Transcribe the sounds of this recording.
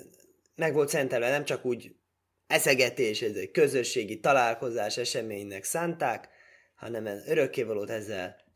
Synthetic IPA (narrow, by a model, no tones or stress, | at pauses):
mɛɡʋo̞lt̪sɛnt̪ɛlvɛnɛmt͡ʃɒkuːɟ | ɛsɛɡɛt̪eːʃɛzɛckø̞zø̞ʃːeːɡit̪ɒlaːlko̞zaːʃɛʃɛmeːɲnɛksaːnt̪aːk | hɒ̰nɛmɛnøɾø̞kːeːvɒloːt̪ɛzːɛl